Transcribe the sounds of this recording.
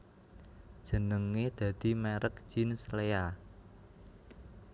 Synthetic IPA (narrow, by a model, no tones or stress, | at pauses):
d̥ʒ̥ə̤nəŋːed̪̥ä̤d̪̥i̤meɾək̚ʒ̥inslea